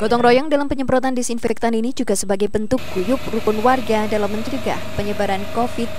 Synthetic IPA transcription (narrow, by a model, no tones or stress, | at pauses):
ɡ̥ɔt̪ɔŋrɔjɔŋdalampəɲəmpɾɔt̪andisinfɛk̚t̪aninid͡ʒuɡasəbaɡajbənt̪ʊk̚ɡ̥ujʊp̚rukʊnwarɡadalamːəɲt͡ʃəɾiɡa̰hpəɲəbaɾankofɪt̪̚